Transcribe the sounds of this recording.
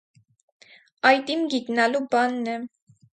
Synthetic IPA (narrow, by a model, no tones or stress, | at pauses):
ɑjt̪imɡiɡ̪nɑlubɑnːɛ